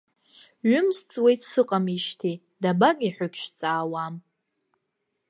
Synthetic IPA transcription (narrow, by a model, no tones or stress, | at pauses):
ɥʊmst͡sʼwe̞jtʰʼsɨqʼamiʃtʰi | dabaɡiħʷʊkʲʰʃʷᶣt͡sʼaːwam